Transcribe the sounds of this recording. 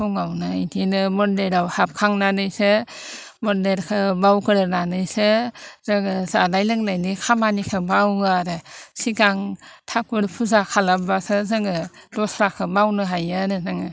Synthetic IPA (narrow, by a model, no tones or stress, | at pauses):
hɔŋawnɯintʰinɯmɔndeɾawhap̚kʰaŋnanɯjsɯ | mɔndeɾkʰɯbawkʰɯɾɯnanɯjsɯzɯŋɯzanajlɯŋnajnikʰamanikʰɯbawɡɯaɾɯsikaŋtʰak̚bɯɾpʰuzakʰalabbasɯzɯŋɯdɔsɾakʰɯbawnɯɦajɯnɯnɯŋɯ